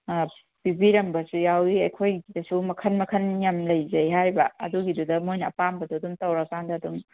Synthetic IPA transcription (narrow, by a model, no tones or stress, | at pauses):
pibiɾɐmbɐsujawiɐjkʰojɡidɐsumɐkʰɐnmɐkʰɐnjɐmlɐjzɐjɦajbɐɐ̰duɡidudɐmojnɐɐpambɐduɐdumtɐwɾɐkandɐːdum